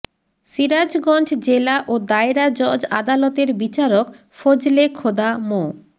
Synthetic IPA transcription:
ʃiɾad͡ʑɡɔnd͡ʑd͡ʑelaʔod̪aeɾad͡ʑod͡ʑad̪alɔt̪eɾbit͡ɕaɾok | fod͡ʑlekʰod̪amo

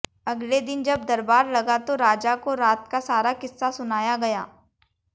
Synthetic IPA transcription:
ɐɡled̪ɪnd͡ʒɐb̚d̪ɐɾbaːɾlɐɡat̪oɾaːd͡ʒakoɾaːt̪kasaːɾakɪsːasʊnaːjaɡɐjaː

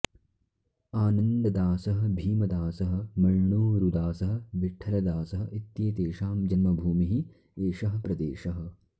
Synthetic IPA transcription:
aːnɐnd̪ɐd̪aːsɐɦɐ̆bʱiːmɐd̪aːsɐɦɐ̆mɐɻɳuːɾud̪aːsɐɦɐ̆biʈʰːɐlɐd̪aːsɐɦɐ̆ʔit̪jeːt̪eːʃaːmd͡ʒɐnmɐbʱuːmiɦi | eːʃɐɦɐ̆pɾɐd̪eːʃɐɦɐ̆

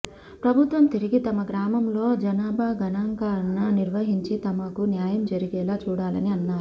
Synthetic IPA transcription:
pɾɐbʱut̪ʋɐmt̪iɾiɡit̪ɐmɐɡɾaːmɐmlo̞ːd͡ʒɐnaːbʱaːɡɐnaːŋɡaːɾnɐniɾʋɐɦiɲt͡ʃit̪ɐmɐkunjaːjɐmd͡ʒɐɾiɡɛːlaːt͡ʃuːɽaːlɐ̰niɐnːaːɾuu

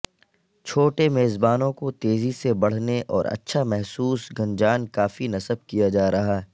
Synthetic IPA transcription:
t͡ʃʰoːʈemeːzbaːnõkot̪eːzisebɐɽ̤neʔɔːɾɐ̰tːʃʰamɛɦsuːsɡʱɐ̃ɲd͡ʒaːnkaːfinɐsəb̚kijad͡ʒaːɾɐɦaɦɛ

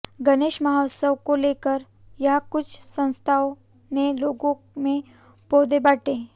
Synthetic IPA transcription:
ɡəneːʃməɦasəwkolekəɾ | jakʊt͡ʃʰsə̃ñst̪ʰaw | neloɡõ | mẽ | poːd̪ebaʈe

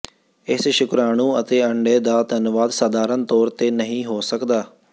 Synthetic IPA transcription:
ɪsʃʊkɾaːɳ̃ũːət̪eːəɳɖeːd̪aːt̪ənʋaːd̪saːd̪aːɾənt̪ɔːɾt̪eːnəɦĩːɦoːsəkd̪aː

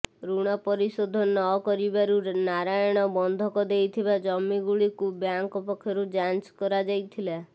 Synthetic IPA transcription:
ɾuɽ̃apɔɾisɔd̪ʱɔnɔkɔɾibaɾuɾnaɾajɔɽ̃ɔbɔnd̪ʱɔkɔd̪ejt̪ʰibad͡ʒɔmːiɡuɭikubjaŋkɔpɔkʰːjɔɾud͡ʒant͡ʃkɔɾad͡ʒajt̪ʰila

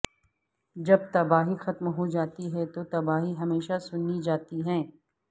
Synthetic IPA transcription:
d͡ʒɐb̚t̪ɐbaːɦixɐt̪mɦod͡ʒaːt̪iɦɛt̪ot̪ɐbaːɦiɦɐmeːʃasʊnːid͡ʒaːt̪iɦɛ̃ː

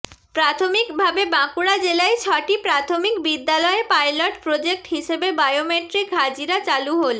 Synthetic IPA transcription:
pɾat̪ʰomikbʱabebãkuɽad͡ʑelaet͡ɕʰɔʈipɾat̪ʰomikbid̪ːalɔepajloʈpɾod͡ʑek̚ʈɦiʃebebajomeʈɾikɦad͡ʑiɾat͡ɕaluɦol

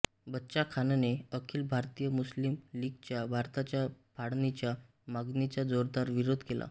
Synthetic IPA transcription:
bətːɕakʰanneəkʰiːlbʱaɾt̪ijəmuslimliɡt͡ɕjabʱaɾt̪at͡ɕjapʰaɽnit͡ɕja | maɡnit͡ɕjad͡zoɾd̪aɾʋiɾod̪ʱkela̰

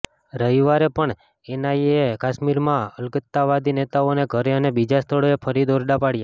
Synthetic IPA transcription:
ɾəɦiʋaɾepəɳ | enajekaʃmiɾmãəlkət̪ːaʋad̪inet̪aoneɡʱəɾeənebid͡ʒast̪ʰəɭoepʰəɾid̪oɾɖapaɽja

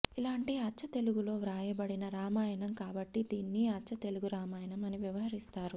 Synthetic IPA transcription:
ilaːɳʈiɐːt͡ʃʰːɐt̪e̞luɡulo̞ːʋɾaːjɐbɐɽinɐɾaːmaːjɐɳɐmkaːbɐʈːid̪iːnːiɐtːt͡ʃːɐt̪e̞luɡuɾaːmaːjɐnɐmɐniʋjɐʋɐɦɐɾist̪aːɾu

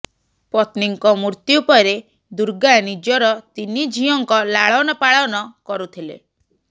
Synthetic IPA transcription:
pɔt̪niŋkɔmuɾt̪jupɔɾe | d̪uɾɡanid͡ʒɔɾɔt̪inid͡ʒʱijɔŋkɔlaɭɔwnɔpaɭawnɔkɔɾut̪ʰilḛ

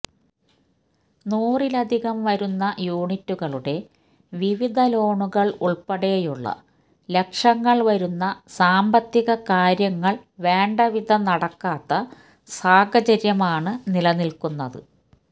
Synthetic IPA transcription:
nuːrilɐd̪ʱiɣɐmʋɐɾunːɐjuːɳitːuɣɐɭuɽe̞ | ʋiʋid̪ʱɐlo̞ːɳuɣɐɭuɭpɐɽe̞juɭːɐ̰ | le̞kʂɐŋːɐɭʋɐɾunːɐsaːmbɐt̪ːiɣɐkaːɾjɐŋːɐɭʋe̞ːɳɖɐʋid̪ʱɐnɐɽɐkːaːt̪ːɐ | saːɡʱɐt͡ɕɐɾjɐmaːɳɨnilɐnilkunːɐðɨ̰

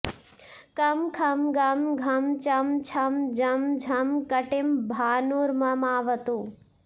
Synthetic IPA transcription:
kɐmkʰɐmɡɐmɡʱɐmt͡ʃɐmt͡ʃʰɐmd͡ʒɐmd͡ʒʱɐmkɐʈimbʱaːnuɾmɐmaːʋɐt̪uː

